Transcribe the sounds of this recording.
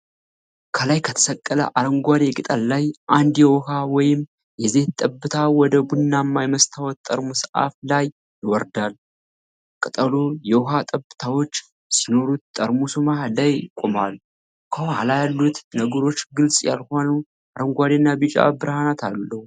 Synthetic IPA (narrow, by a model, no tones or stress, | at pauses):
kʰəlajkʰət̪ʰə̥səkʼːələ̰ʔaɾəŋɡʷad̪e̞kʼɨt̪ʼəlːajʔand̪jɛwɔhawɔjɪm | jɛze̞ht̪ʼəbːɨt̪ʰawɔd̪əbunːamːajməst̪ʰawɔt̪t̪ʼːəɾmusʔa̰flaj | jwɔɾd̪al | kʼɨt̪ʼəlojɛwɔɦat̪ʼəbːɨt̪ʰawo̞t͡ʃː | sino̞ɾut̪̚t̪ʼːəɾmusumahlajkʼomal | kʰəalajalːut̪nəɡəɾo̞t͡ʃːɡɨlsʼja̰lhanu | aɾəŋɡʷad̪enːabɨt͡ʃʼa̰bɨɾhanat̪ʰalːəhu